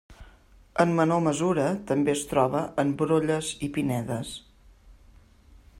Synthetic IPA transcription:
əmːənoməzuɾət̪əmbeəst̪ɾɔβəʔəmbɾoʎəzipinɛðəs

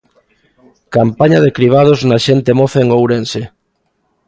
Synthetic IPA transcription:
kampaɲaðekɾiβ̞að̞oznaʃent̪emofeŋowɾense

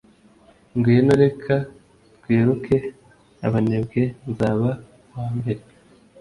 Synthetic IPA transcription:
ŋɡinoɾe̞kʰa | tɡweːɾukʰe̞ | a̰βane̞bɡe̞nzaːβa | waːmbe̞ɾe

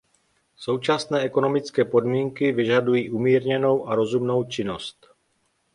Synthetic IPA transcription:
so̞wt͡ʃasnɛːʔɛko̞no̞mɪt͡skɛːpo̞dmiːŋkɪvɪʒadujiːʔumiːɾɲɛno̞wʔaɾo̞zumno̞wt͡ʃɪno̞st̪

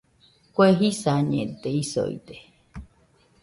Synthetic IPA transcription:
kʷweɦisaɲẽt̪eiso̰ḭt̪e̥

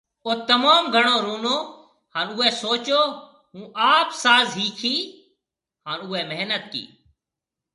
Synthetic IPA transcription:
oːt̪əmaːmɡʱəɳoːɾuːnoː | haːnuːɛːsoːt͡ʃoː | ɦũːʔaːpsaːzɦiːkʰiː | ɦaːnʊːɛːmeɦnət̪̚kḭː

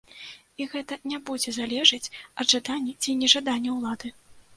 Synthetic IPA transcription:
iɣɛt̪ɐnʲabud͡zʲɛzalʲɛʐɐt͡sʲɐd̪ʐad̪anʲːɐt͡sʲinʲɛʐad̪anʲːɐwlˠad̪ɨ

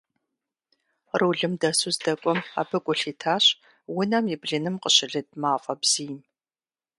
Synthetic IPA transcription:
rɨːɮɨmdɐsuzdɐkʷʼɔma̰ːbɨkʷʼʊɬiːtʰaːɕ | wʊnɐmjɪbɮɨnɨmqəɕɪɮɨd̚maːfʼɐbz̥iːm

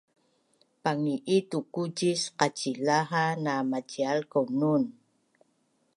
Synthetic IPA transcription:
paŋiʔitukuɟisqacilaɦanamacialkonun

